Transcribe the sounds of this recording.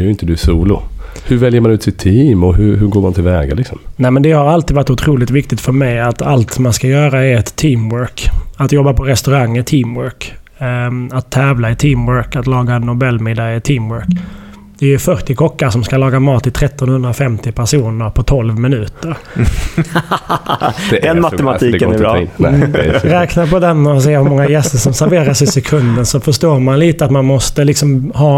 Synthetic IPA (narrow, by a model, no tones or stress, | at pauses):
jɪnt̪əd̪ɵsuːlʊ̰ | hɵɾvɛljəɾmanʉt̪sɪt̪ʰːiːmɔɦʉɾɦɵɾɡoːmant̪ʰɪlvɛːɡa̰lɪksɔmnɛmɛnd̪ɛhaɾalt̪iːd̪vaʈ̪ːʊt̪ʰɾuːlɪt̪vɪk̚t̪ɪt̪fœɾmɛjat̪alt̪manskajœːɾaɛɾɛt̪ʰːiːmwœɾkat̪jɔbːapʰɔɾɛst̪ɵɾaŋːət̪ʰiːmwœɾk | at̪ʰːɛːvlaɪt̪ʰiːmwœɾkat̪lɑːɡaɛnːʊbɛlːmɪd̪aɪt̪ʰiːmwœɾk | d̪̥ɛʉfœɾʈ̪ɪkʰɔkːasɔmskalɑːɡamɑːt̪ɪt̪ʰɾɛt̪ːɔnhɵnd̪ɾafɛmt̪ɪpʰæʂuːnəɾpʰɔt̪ʰɔlvmɪnʉ̟ːt̪əɾ | ɛnmaɛmat̪ʰiː | ɾɛːknaɾpʰɔd̪ɛnːɔs̬eːhɵɾmɔŋːajɛst̪əʂɔmsæɾveːɾasɪsɛkʰɵnd̪ənsɔfœʂt̪oːɾmanliːt̪əat̪manmɔst̪əlɪksɔmɦɑː